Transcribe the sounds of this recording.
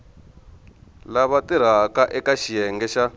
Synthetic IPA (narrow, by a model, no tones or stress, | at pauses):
laβatiɾ̤akaʔɛkaʃijɛŋɡɛʃa